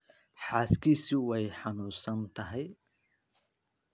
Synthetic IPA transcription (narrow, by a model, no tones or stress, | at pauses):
ħaːskʰiːsɪwɛjħɑnuːsɐnt̪ʰɐɦɛj